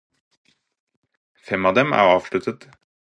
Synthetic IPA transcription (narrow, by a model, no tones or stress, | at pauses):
fɛmɑːd̪ɛmæ̰ːʁɑːʋʃɭʉt̪ʰət̪